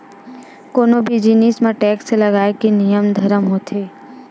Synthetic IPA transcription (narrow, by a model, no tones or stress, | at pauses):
konobʱid͡ʒinismãʈɛksləɡajkinijəmd̪ʱəɾəmɦot̪ʰe